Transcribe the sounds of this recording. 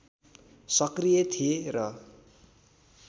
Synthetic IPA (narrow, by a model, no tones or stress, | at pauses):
sʌkrijet̪ʰijerʌ